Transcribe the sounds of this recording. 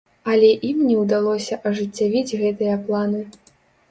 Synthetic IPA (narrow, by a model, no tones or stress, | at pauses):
ɐlʲɛʔimnʲɛwd̪alˠɔsʲɐʔɐʐɨt͡sʲːavʲid͡zʲɣɛt̪ɨjɐplˠanɨ